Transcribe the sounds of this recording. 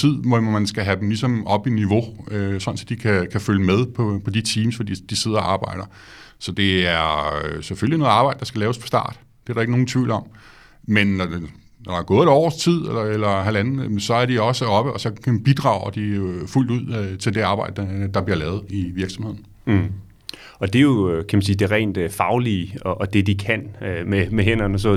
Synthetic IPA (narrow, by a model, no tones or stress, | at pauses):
ið̰ˠʋɒmænsɡ̥æɦæd̥em̩lisɒ̽mɒ̽b̥iniʋo̝øsɒ̽n̩sɒd̥ikʰækʰæføljəmeð̞ˠpʰɒ̽pʰɒ̽d̥it͡sʰiːmsfɒd̥ḭd̥ise̝ð̞̰ɐɒɑ̈ːb̥ɑ̈ɪ̰ɾ̥ɐ | sɒ̽d̥e̝æɐsefølino̽ːð̩ˠɑ̈ːb̥ɑ̈ɪ̰d̥ɑsɡ̥ælɛːʊspʰɒ̽sd̥ɑ̰̈ːd̥ | d̥e̝æɐɾɑ̈e̝ɡ̥əno̝ːn̩t͡sʰʋḭʊlɒ̽m̰ | menː | nɒɾɑɡ̥ɔ̽ːðˠeɾɒ̰ːst͡sʰið̰ˠelɐelɐɦæl̥ænn̩sɒ̽æɐd̥iɒ̽səɒ̽b̥əʔɒ̽sɒ̽kʰb̥id̥ʁɑ̰̈ʊɐd̥iful̰d̥uð̞̰ˠt͡sʰe̝ld̥e̝ɑ̈ːb̥ɑ̈ɪd̥əd̥ɑ̈b̥liɐlɛːʊð̞̩ˠiʋiɐɡ̥sɒ̽mhe̝ð̞̰ˠn̩ | ɒ̽d̥e̝jo̝kʰæmænsiːd̥e̝ʁɛ̰ɪnd̥fɑ̈ʊliɒʔɒ̽d̥e̝d̥ikʰænmemeɦen̰ɐnɒsɒ